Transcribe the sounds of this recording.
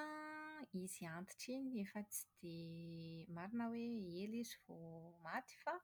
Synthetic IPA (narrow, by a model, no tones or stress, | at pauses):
iz̥iant̪i̥ʈ͡ʂeniefət͡si̥d̪̥e | maɾinəweeliziv̥omat̪i̥fa